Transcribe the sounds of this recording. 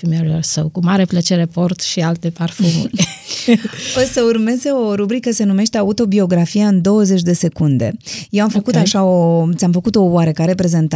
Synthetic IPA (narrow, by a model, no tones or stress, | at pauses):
fimeloɾsəwkumaɾe̞plət͡ʃe̞ɾe̞po̞rt̪ʃialt̪e̞parfumṵrʲ | osəurme̞ze̞o̞ɾubɾikəse̞nume̞ʃt̪eaut̪o̞bio̞ɡɾafiaɨnd̪o̞wəze̞t͡ʃʲd̪e̞se̞kund̪e̞̰jewamfəkut̪aʃaot̪sʲamfəkut̪o̞waɾekaɾe̞pɾe̞ze̞nt̪a